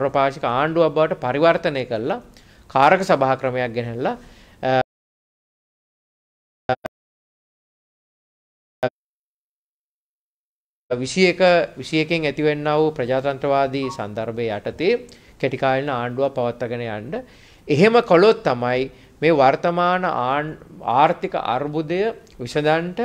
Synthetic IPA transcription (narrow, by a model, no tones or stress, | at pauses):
ɾopaːʃikəaːɳɖuabaʋəʈəpaɾiʋart̪əneːkəɾla | kʰaːɾəkəsabaɦakɾəmejak̚ɡænellːa | ʋisijekəʋisijekeŋæt̪iʋenːaʋuprɐd͡ʒaːt̪ant̪ɾɐʋaːd̪iːsa̰nd̪aɾbejaʈət̪eː | keʈikaːlnəaːɳɖuʋapːaʋat̪ːɐɡənəjaɳɖə | eɦeməkolot̪ːamaj | meːʋart̪ɐmaːnə̰ | aːɾt̪ikə̰ʔa̰ɾbud̪əjə | ʋisəd̪aɳʈə